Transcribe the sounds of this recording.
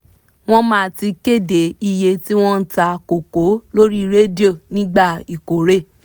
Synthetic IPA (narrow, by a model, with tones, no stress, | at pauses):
w̃ɔ̃˦mãː˦˧ti˧ke˦˨de˨˦i˧je˧ti˦w̃ɔ̃˦n̩˦ta˧ko˨ko˨˦lo˦ɾi˦ɾe˦di˦o˦˨nĩ˦ɡ͡ba˦˨i˨ko˨ɾe˦˨